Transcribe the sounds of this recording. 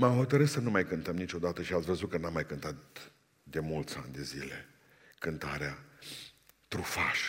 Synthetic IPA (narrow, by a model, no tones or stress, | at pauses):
mamɦo̞t̪əɾɨssənumajkɨnt̪əmnit͡ʃo̞d̪at̪əʃiat̪sʲvəzut̪̚kənamːajkɨnt̪at̪ | d̪e̞mult̪sa̰nʲd̪e̞zḭle̞̰ | kɨnt̪aɾea | t̪ɾufaʃ